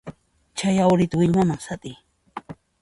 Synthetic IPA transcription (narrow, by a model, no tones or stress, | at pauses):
t͡ʃajawɾɪt̪awɪʎmamaŋsat̪ʼɪj